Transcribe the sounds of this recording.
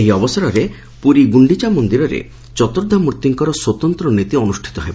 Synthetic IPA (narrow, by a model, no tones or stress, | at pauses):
eɦiɔbɔsɔɾɔɾe | puɾiɡuɳɖit͡ʃamond̪iɾɔɾḛ | t͡ʃɔt̪oɾd̪ʱɔmuɾt̪iŋkɔɾɔswɔt̪ɔnt̪ɾɔnit̪iɔnusʈʰi̥t̪ɔɦebɔ